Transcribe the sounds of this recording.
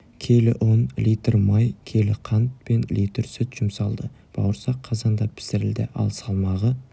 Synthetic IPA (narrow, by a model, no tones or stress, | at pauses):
kʲʰe̞lɪ̰ʔonlijt̪rmɑjkʲʰe̞lɪqʰɑnt̪̚pe̞nlit̪ɾsʏt̪ʒ̥ʊmsɑlˠd̪ə | b̥ɑ̰wəɾsɑqʰːɑzɑnd̪ɑpʰɪ̥sɪɾɪld̪ɪ̰ʔɑ̰lˠsɑlˠmɑʁə